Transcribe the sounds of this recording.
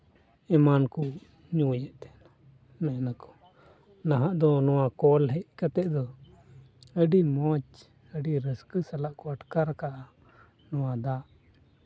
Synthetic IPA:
ɛmanku | ɲuwjɛʔt̪ɛna | mɛnakɔ̥ | naɦãʔd̪ɔnɔwakɔlɦɛʔkat̪ɛʔd̪ɔ | əɖimɔt͡ʃ | əɖiɾəskəsalaʔkɔaʈkaɾkaʔa | nɔwad̪aʔ

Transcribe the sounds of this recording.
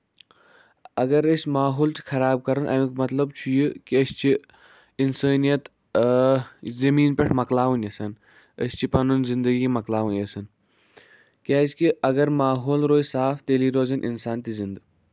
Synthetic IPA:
ɐɡɐɾəsʲmaːɦoːlt͡ʃʰi̥xʰɐɾaːb̚kɐɾɐnʔɐ̰ʋĩkmɐt̪lɐbt͡ʃʰujikiɐst͡ʃʰi | insəːnijɐt̪ | zɐmiːnpʲeʈʰmɐklaːwunɐsɐn | ə̰sʲt͡ʃʰipɐnunzind̪ɐɡiimɐklaːʋunʲɐsɐn | kʲaːzkiɐɡɐɾmaːɦoːlɾoːjsaːft̪eːliːɾoːzɐnʔḭnsaːnt̪izind̪

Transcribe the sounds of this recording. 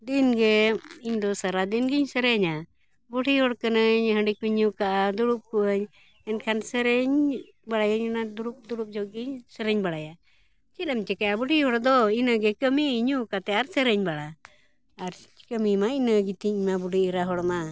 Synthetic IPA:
d̪inɡɛiɲd̪ɔsaɾad̪inɡiɲsəɾɛɲa | buʈiɦɔɽkənəɲɦəɳɖik̚iɲukaʔad̪uɽup̚kuəɲ | ɛnkʰansəɾɛɲ | baɽajaɲɛnad̪uɽup̚d̪uɽup̚d͡ʒɔʔɡiɲsəɾɛɲbaɽaja | t͡ʃiɗɛmt͡ʃɛkajabuʈihɔɽd̪ɔinəɡɛkəmiːɲukat̪ɛaɾsəɾəɲbaɽaː | ɾt͡ʃi̥kəmimainəɡit̪iɲmabuɖiiɾaɦɔɽma

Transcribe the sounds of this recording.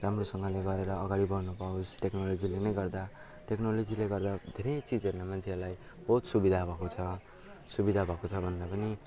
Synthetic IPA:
ramrosʌŋɡʌleɡʌɾeɾʌːɡaɽibʌrnupawusʈeknolod͡zilenʌjɡʌrd̪a | ʈeknolod͡zileɡʌrd̪ad̪ʱeɾʌjt͡sid͡zʌɾunamant͡sʰeelaj | b̥ʌɦut̪subid̪ʱabʱʌkot͡sʰʌ | subid̪ʱabʱʌkot͡sʰʌbʱʌnd̪apʌni

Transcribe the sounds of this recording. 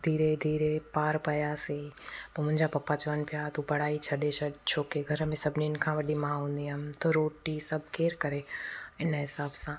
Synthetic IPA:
d̪ʱiːɾed̪ʱiːɾepaːɾpɐjasepɐmʊ̃ɦɪ̃ɲd͡ʑapɐpːat͡ɕɐʋənpɪjat̪upɐɽ̤aːit͡ʃʰɐɗet͡ʃʰɐt͡ʃʰoːkeɡʱɐɾmẽsɐbʱniɪnkʰãʋɐɗimãːɦũːnd̪iəmt̪oɾoːʈisɐb̚keːɾkɐɾeɪnɦɪsaːbsãː

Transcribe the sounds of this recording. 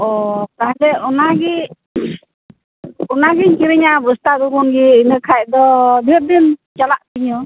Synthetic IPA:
ɔkaɦdɛɔnaɡɛ | ɔnaɡɛɲkiɾɛɲabust̪ad̪ukɔnɡɛinəkʰaj̚d̪ɔb̪ɛp̚d̪int͡ʃalaʔt̪iɲɔ

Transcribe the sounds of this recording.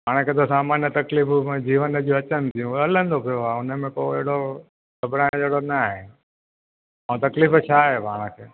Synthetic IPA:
pʰaːɽ̃ə̃kʰet̪̬osaːmaːnjət̪ɐkliːfm̃d͡ʑiːʋənəd͡ʑoːɐt͡ɕənɪ̆t̪ʰijũɐlə̃nd̪opʰijoaːʊnə̆mẽkoeɦɽo | ɡɐbɽãːd͡ʑeɦɽonaɦen | ãːt̪ɐkliːft͡ɕʰaːɦepaːɽ̃əkʰeː

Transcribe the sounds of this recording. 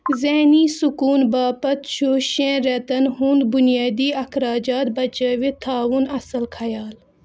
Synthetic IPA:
zeːniːsʊkuːnbaːpɐt̪ʃʰoːʃẽːɾɛt̪ɐnɦũnd̪bʊnjaːd̪iːɐkʰɾaːd͡ʒaːt̪̚bɐt͡ʃəʋit̪ʰːaːʋʊnɐsəlkʰɐjaːl

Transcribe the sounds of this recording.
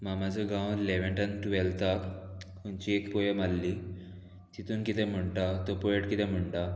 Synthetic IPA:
mamad͡zʱəɡãwleʋẽɳʈə̃nt̪uʋelt̪at̪ | ɦuɲt͡ɕiekpɔjəmalːi | t̪it̪uːnkit̪ɛm̤əɳʈat̪ɔpojeʈkit̪ɛm̤əɳʈa

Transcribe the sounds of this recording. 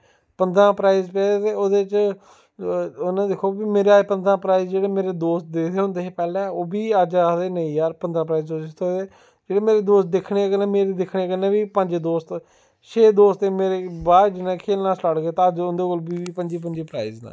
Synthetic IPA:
pənd̪ãːpɾaːizpɛːt̪eːoːd̪eːt͡ʃ | nãːd̪ɪkʰoːbiːmeːɾeaːepənd̪ãːpɾaːiːzd͡ʒeːɽeːmeːɾeːd̪oːst̪̚d̪eːt̪eːɦʊ̃nd̪eːɦeːpɛːlɛːoːbiːəd͡ʒad̪eːnəĩːjaːɾpənd̪ãːpɾaːiːzd̪oːt̪ʰoeː | d͡ʒeːɽeːmeːɾeːd̪oːst̪̚d̪ɪkʰɽeːkənẽːmeːɾeːd̪ɪkʰɽeːkənẽːbiːpə̃ɲd͡ʒd̪oːst̪ | ʃʰeːd̪oːst̪eːmeːɾeːbaːɾd͡ʒɪnːãːkʰeːlnãːsʈaːɽɡeːt̪aːəd͡ʒʊnd̪eːkoːlbiːiːpəɲd͡ʒiːp̬əɲd͡ʒeːpɾaːiːznã̰ː

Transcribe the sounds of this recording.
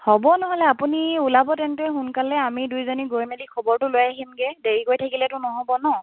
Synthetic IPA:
hɔbɔnɔɦɔlɛapuniulabɔtɛntɛxunkalɛamidujzoniɡojmelikʰɔbɔɹtʊlojaɦimɡɛdeɹikojtʰakilɛtʊnɔɦɔbɔnɔ

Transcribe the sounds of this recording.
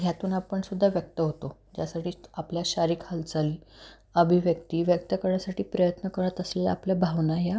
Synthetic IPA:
ɦjat̪uːnapəɳsud̪ʱːaʋjək̚t̪əɦot̪od͡ʑjasaʈʰiːapljaɕaɾiːkʰhəlt͡saliː | əbʱiʋjək̚t̪iːʋjək̚t̪əkəɾjasaʈʰiːpɾəjət̪nəkəɾət̪əsela̰pljabʱaʋnaja

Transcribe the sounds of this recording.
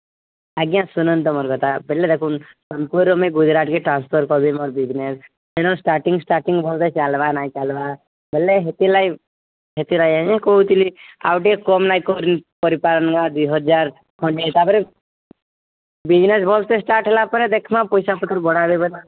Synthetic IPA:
aɡjãsunənt̪̬ɔmɔɾkɔt̪abʱelːed̪ekʰun | səmpuɾomeɡud͡ʒɾaʈ̪keʈɾãːnspʰɔɾkɔbimɔɾbid͡ʒnes | enõsʈaːɾʈiŋɡsʈaːɾʈiŋɡbʱɔlt̪et͡ʃalʋanat͡ʃalʋa | belːeɦet̪ilaj | ɦet̪ilajanãkout̪ilia̰wʈiekɔmnajkoɾinpɔɾipalənɡad̪uɦɔd͡ʒaɾ | kʰɔɳʈet̪abəɾe | bid͡ʒnesbʱɔlt̪esʈaːɾʈɦelapəɾed̪ekʰmãpɔjsapət̪əɾbɔɽabebɔt̪a

